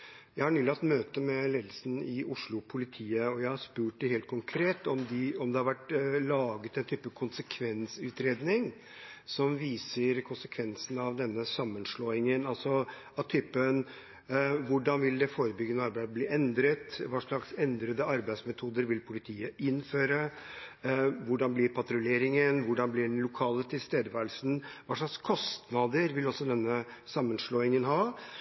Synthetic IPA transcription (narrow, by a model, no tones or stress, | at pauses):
jæɪhɑɳʉːlɑt̪møːt̪əmɛleːd̪l̩sn̩ɪʊʂɭʊpʰʊlɪt̪ʰiːəɔjæɪhɑɾʂpʉːʈ̚d̪ɛheːlt̪̚kʰʊŋkʰɾeːt̪ɔmd̪ɪɔmd̪ɛhɑɾʋæʈlɑːɡət̪ɛnt̪ʰyːpːəkʰʊnsəkʰʋɛnsʉːt̪ɾeːd̪nɪŋ | sɔmʋiːsəɾkʰʊnsəkʰʋɛnsən̩ɑʋd̪ɛnːəsɑmːənʂɭoːɪŋənɑlsɔ | ɑt̪ʰʏpːən | ʋʊɖɑnʋɪld̪ɛfoːɾəbʏɡːənəɑɾbæɪd̪bliːʔɛnd̪ɾət̪ʋɑːʂɭɑksɛnd̪ɾəd̪əɑɾbæɪsmɛt̪ʰuːd̪əɾʋɪlpʰʊlɪt̪ʰiːəʔɪnføːɾə | ʋʊɖɑnblɪɾpʰɑt̪ɾʊleːɾɪŋənʋʊɖɑnblɪɖɛnlʊkʰɑːlət̪ʰɪlst̪eːd̪əʋæːɾəl̩sən̩ʋɑːʂɭɑkskʰɔst̪nɑd̪əɾʋɪlɔsːɔd̪ɛnːəsɑmːənʂɭoːɪŋənɦɑː